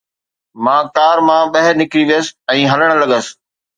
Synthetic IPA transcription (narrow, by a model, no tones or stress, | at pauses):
mãːkaːɾmãːɓɐɦɪnɪkɾiʋijəsɪ̥̆ɛ̃ːɦɐləɽ̃ə̆lɐɠəs